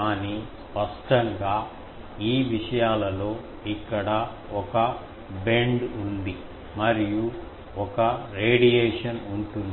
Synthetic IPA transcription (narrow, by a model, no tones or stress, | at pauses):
aːnispɐsʈɐŋɡaː | iːʋiʂɐjaːlɐlo̞ː | ikːɐɽɐ | ɔkɐ | be̞ɳɖund̪i | mɐɾiju | ɔkɐɾeːɖijeːʂɐnuɳʈund̪